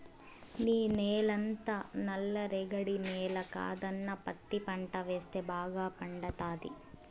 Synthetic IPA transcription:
niːneːlɐnt̪ɐnɐlːɐɾɛɡɐɽineːlɐka̰ːd̪ɐnːɐpɐt̪ːipɐɳʈɐʋeːst̪ebʱaːɡaːpɐɳɖɐt̪aːd̪ḭ

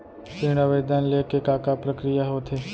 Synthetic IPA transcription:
tɪɽ̃aʋəjd̪anlekekaːkapɾəkɾijaɦoːt̪ʰeː

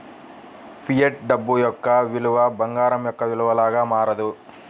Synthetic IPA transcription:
pʰijɐʈ̚ɖɐbːujɔkːɐʋiluʋɐbɐŋɡaːɾɐmjɔkːɐʋiluʋɐlaːɡɐmaːɾɐd̪u

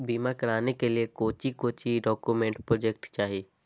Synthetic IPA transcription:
biːmakɐɾaːnekeliekoːt͡ʃikoːt͡ʃiɖɔːkjumẽɳʈpɾoːd͡ʒek̚ʈt͡ʃaːɦieː

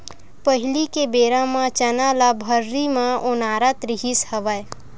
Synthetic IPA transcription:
pəɦɪlikebeːɾãmãt͡ʃɐnaːlabʱəɾːimãʔʊnaːɾat̪ɾɪɦishɐʋaj

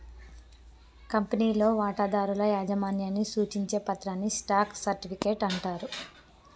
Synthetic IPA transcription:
kɐmpɐniːlo̞ːʋaːʈaːd̪aːɾulɐjaːd͡ʒɐmaːnjanːisuːt͡ʃiɲt͡ʃe̞ːpɐt̪ɾaːnːisʈaːksɐɾʈipikeːʈɐɳʈaːɾu

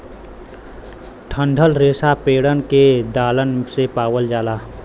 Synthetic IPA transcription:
ʈʰəɳɖʱəlɾeːsapeːɽənked̪aːlənsepaːwəld͡ʒaːlaː

